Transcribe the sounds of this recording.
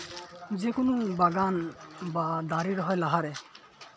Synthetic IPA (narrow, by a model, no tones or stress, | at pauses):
zɛkʊnʊbaɡanbad̪aɾiɾɔɦɔjlaɦaɾɛ